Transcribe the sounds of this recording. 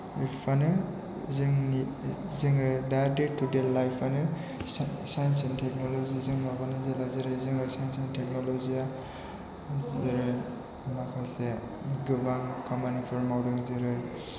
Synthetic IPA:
ipʰanɯ | zɯŋni | zɯŋɯdadetudelajpʰanɯ | sajnsentʰek̚nɔlozizɯŋmabanɯzalazɯɾɯzɯŋɯsajnsentʰek̚nɔlɔzia | zeɾɯ | makʰase | ɡɯbaŋkʰamanipʰɯɾmawdɯŋzɯɾɯ

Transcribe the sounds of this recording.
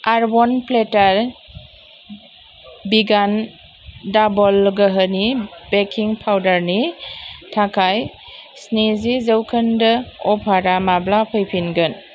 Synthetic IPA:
aɾbɔnpletaɾ | biɡan | dabɔlɡəɦənibekʰiŋpʰawdaɾnitʰakʰaj | snizizəwkʰəndəɔpʰaɾamablapʰɯjpʰinɡən

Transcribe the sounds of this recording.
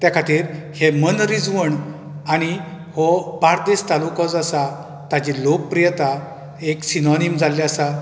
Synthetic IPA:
t̪jakʰat̪iːɾhemənɾid͡zʋəɳ | aɽ̃i | hɔpaɾd̪est̪alukəd͡zasa | t̪ad͡ʑilok̚pɾijət̪a | eksinɔnimd͡zʱalːeasa

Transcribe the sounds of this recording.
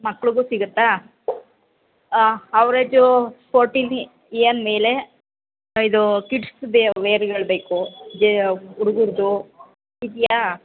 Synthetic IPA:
mɐkːɭuɡuːsiɡut̪ːa | ɐʋɾed͡ʒupʰoːɾʈin | eːɐnme̞ːle | id̪ukiʈsbeʋeːɾɡɐɭbe̞ːkud͡ʒuɽuɡuɾd̪u | id̪ija

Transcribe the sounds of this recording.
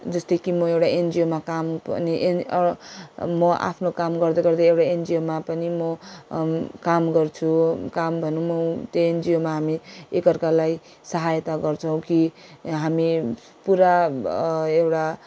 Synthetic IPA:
d͡zʌst̪ʌjkimʌewʈaend͡zijomakampʌ̰niʔe | mʌʔa̰pʰnokamɡʌrd̪ʌɡʌrd̪ʌewʈaend͡zijomapʌnimʌ | kamɡʌrt͡sʰukambʱʌnumʌt̪oend͡zijomaɦamiekʌrkalaj | sʌɦajt̪aɡʌrt͡sʰʌw̃kiɦami | puɾa | ewʈa

